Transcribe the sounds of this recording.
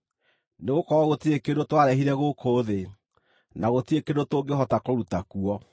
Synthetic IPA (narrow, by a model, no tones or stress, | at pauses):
neɣokɔɾɔɣotiekedotwaɾɛɦiɾɛɣokʰoːðe | naɣotiekedotoːŋɡeɦɔtakoɾutakuɔ